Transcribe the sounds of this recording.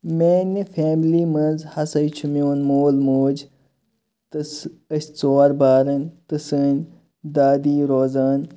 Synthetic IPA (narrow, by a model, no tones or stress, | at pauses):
meːnifʰeːmliːmɐnzhɐsɐjt͡ʃʰumjoːnmoːlmoːd͡ʒ | t̪əsəsʲt͡soːɾbaːɾɐnʲt̪əsənʲ | d̪aːd̪iːɾoːzaːn